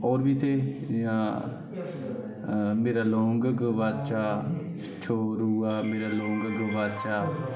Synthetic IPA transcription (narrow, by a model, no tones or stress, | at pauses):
ɔːɾbiːt̪ʰeːãː | meːɾaːlɔ̃ːŋɡɡʋaːt͡ʃaː | t͡ʃʰoːɾuːaːmeːɾaːlõːŋɡɡəʋaːt͡ʃaː